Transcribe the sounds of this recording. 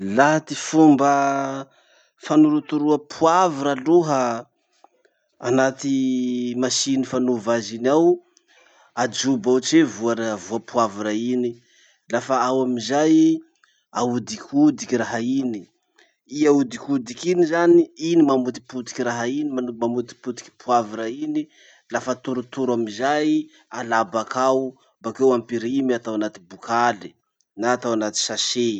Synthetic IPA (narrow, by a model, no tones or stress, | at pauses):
lat̪ifumbə | fanuɾut̪uɾuəpʰuaviɾaluɦə | a̰nat̪imasinifanuvazinaw | ad͡ʒubaut͡ʃevuaɾavuapuaviɾaini | lafaawaminzaj | aud̪ikʰud̪ikiɾaɦaini | iaud̪ikud̪ikinizaniinimamut̪i̥put̪i̥kiɾaɦainimamamut̪i̥put̪i̥ki̥pʰuaviɾaini | lafat̪uɾut̪uɾamizaj | alabakʰaw | mbakewampiɾimiat̪awanat̪ibukʰali̥ | naːt̪awanat̪i̥sase